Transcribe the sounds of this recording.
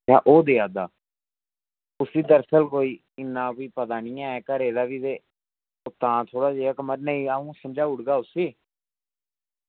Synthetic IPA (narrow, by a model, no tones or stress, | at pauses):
a̰ːʔoːd̪eːaːd̪aː | ʊsiːd̪əɾsəlkoːiː | ɪnːãːpiːpət̪aːniːãːɛːkəɾeːd̪aːʋiːd̪eː | ot̪ãːt̪ʰoːɽaːd͡ʒeːakəməɾnəĩːaːũːsəmd͡ʒaːʊɽɡaːʊseː